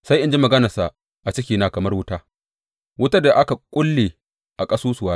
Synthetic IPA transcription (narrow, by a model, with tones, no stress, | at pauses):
sa˦jʔɪ˦nd͡ʒi˦mɐ˨ɡɐ˦nɐ˨sa˨ʔ | ʔa˨t͡ʃɪ˦kʲiː˨naː˦kɐ˨mɐ˦rwʊ˦taː˦ | wʊ˦ta˦da˨ʔa˦ka˨kʷʼʊ˦lːeː˨ | ʔa˨kʼɐ˦suː˦sʊ˨waː˦